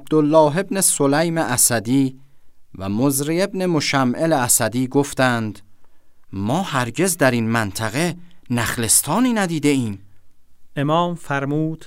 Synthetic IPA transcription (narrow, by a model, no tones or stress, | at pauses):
æb̚d̪olːɒːɦe̞bne̞solæjmeʔæsæd̪iːvæ̰mozɾie̞bne̞moʃæmʔeleæsæd̪iːɡoft̪ænd̪ | mɒːhæɾɟe̞zd̪æɾiːnmænt̪ʰæɣe̞næχle̞st̪ʰɒːniːnæd̪iːd̪e̞iːm | ʔemɒːmfæɾmuːd̪̥